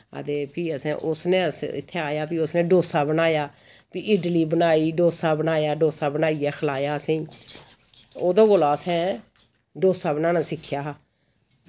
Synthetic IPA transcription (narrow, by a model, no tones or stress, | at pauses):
ə̰t̪eːpʰiːəsḛ̃ːʔʊsnẽːəsɪ̰t̪ʰːeːaːjaːpiːʊsnẽːɖoːsaːbənaːjaː | piːɪːɖliːbənaːiːɖoːsaːbənaːjaːɖoːsaːbənaːiːɛːkʰəlaːjaːəsẽːĩː | oːd̪õːɡolaːəsɛ̃ː | ɖoːsaːbənaːnãːsɪkʰːjaːɦ